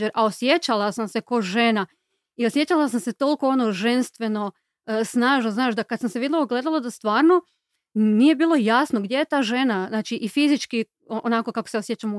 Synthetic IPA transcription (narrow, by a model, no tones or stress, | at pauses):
eɾʔao̞sje̞t͡ɕalasamse̞koʒe̞na | iosje̞t͡ʃalas̬amse̞t̪o̞lˠkoonoʒe̞nst̪ʋe̞no̞ | snaːʒnoznaːʃd̪akad̪samseʋid̪looɡle̞d̪alˠod̪ast̪ʋaːɾno̞ | nije̞biːlˠo̞jasnoɡd̪ʲje̞jet̪aːʒe̞naznaːt͡ʃiʔifizit͡ʃki | oonako̞kako̥seosjet͡ʃamu